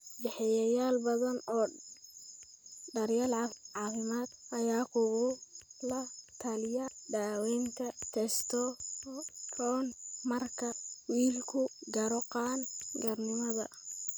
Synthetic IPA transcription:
bɛħɛjɐjaːlbɐðɐnɔː | ɖɐɾjalʕɑʕɑːfɪmaːd̪ɐjaːkʰʊɣʊlɐt̪ʰɐlɪjɐɖaːwɛnt̪ʰɐt̪ʰɛst̪ʰɔ | rʰɔːnmɐrkʰɐwiːlkʰʊɡɐɾɔqɑːnɡɐrnɪmɐðɐ

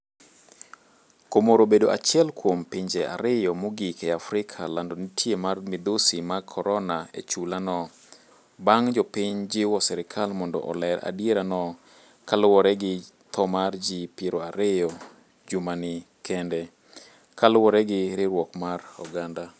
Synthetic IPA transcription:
komoɾobedoʔat͡ʃjɛlkwompiɲd͡ʒɛʔa̰ɾɪjɔmoɡikɛafɾɪkʰalandɔnitʰjemarmɪd̪osimakʰɔɾɔnaḛt͡ʃulanɔ | baŋd͡ʒɔpɪɲd͡ʒɪwɔsɛɾɪkʰalmɔndɔ̰ʔɔ̰lɛɾa̰djeɾanɔ | kalʊwɔɾɛɡɪ | t̪ʰɔmard͡ʒɪpiɾoaɾɪjɔ | d͡ʒumanɪ | kʰɛndɛ | kalʊwɔɾɛɡɪɾɪɾwɔkmarɔ̰ɡanda

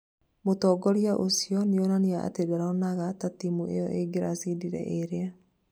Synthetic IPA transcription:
motɔːɡɔɾiaʔosiɔneonaneaʔa̰teɡaɾaɔnaɣatatimuʔejɔ̰ʔeɡeɾasidiɾɛ̰ʔeɾea

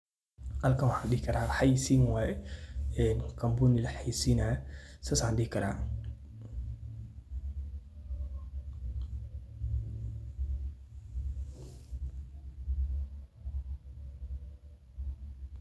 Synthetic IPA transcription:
ʔalkɐnwɑħaːnɗɪhɪkʰɐɾaːħajsiːnwajɛɛnkʰɐmbunɪlħajsinasasaːnɗɪhɪkʰɐɾa̰ː

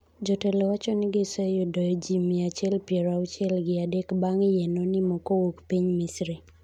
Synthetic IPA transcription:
d͡ʒɔtɛlɔwat͡ʃɔnɪɡɪsɛjɔdɔjɔd͡ʒimiat͡ʃɛlpjɛɾat͡ʃɛlɡɪadɛkbaŋɪjɛnɔnɪmɔkowukpiɲmisɾi

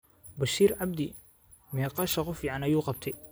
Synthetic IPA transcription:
bɐʃiːɾʕabd̪ɪ | mɛːqɑːʃɐqʊfjʕɑnɐjuːqɑb̚t̪ʰɐj

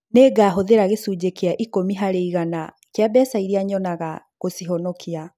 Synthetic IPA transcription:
neːɡaːɦoðeɾaɣesuːd͡ʑekeaʔikomiɦaɾeiɣana | keabɛsaiɾiaɲɔnaɣa | ɣosiɦɔnɔkʰia

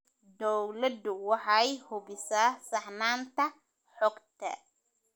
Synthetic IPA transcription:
d̪ɔwlɐd̪ʊwɑħɑɛjhʊbɪsaːsɑħnaːnt̪ʰɐ | ħɔɡt̪ʰɐ̰

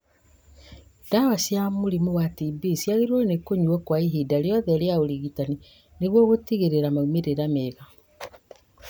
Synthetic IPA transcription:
dawasjamoɾimuwatibisjaɣeɾwonekoɲuɔkwaiɦidaljɔðɛɾjaoɾiɣitani | neɣwoɣotiɣeɾeɾamaumeɾeɾameɣa

